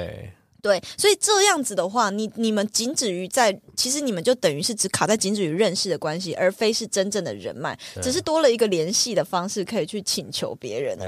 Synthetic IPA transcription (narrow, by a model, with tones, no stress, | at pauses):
t̪we˥˩ɪswɔ˧˥i˨˩ʈ͡ʂɤ˥˧jɑ˥˩ŋd͡z̩˨˩d̪ə˩xwa˥˩ni˨˩ni˨˩mə˧˦nt͡ɕi˧˥nʈ͡ʂɻ̩˨˩y˧˥t͡sa˥˩ɪt͡ɕʰi˧˥ʂ̬ɻ̩˧˦ni˨˩mə˨˦nt͡ɕjo˥˩ʊt̪ə˨˩ŋy˧˥ʂɻ̩˥˩ʈ͡ʂɻ̩˧˥kʰa˨˩t͡sa˥˩ɪt͡ɕi˧˥nʈ͡ʂɻ̩˨˩y˧˥ɻə˥˧nʂɻ̩˥˩d̪ə˩kwa˦˥nɕi˧ʔə˞˧˥fe˥ɪʂɻ̩˥˩ʈ͡ʂə˥nʈ͡ʂə˥˩ŋd̪ə̰˩ɻə̰˧˥nma̰˥˩ɪɻ̩˨˩ʂ̬̩˥˩t̪wɔ˥lə˨i˧˥ɡə˨ljɛ˧˥nɕi˥˩d̪ə˩fɑ˥ŋʂɻ̩˥˩kʰɤ˧˥i˨˩t͡ɕʰy˥˩t͡ɕʰi˨˩nt͡ɕʰjo˧˥ʊpjɛ̰˧˥˦ɻə̰˧˦n